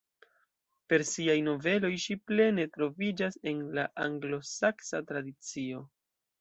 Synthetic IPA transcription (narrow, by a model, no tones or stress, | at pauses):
pe̞ɾsiajno̞ve̞lo̞jʃiple̞ne̞tɾo̞vid͡ʒase̞nlaʔaŋɡlo̞saksatɾadit͡sio̞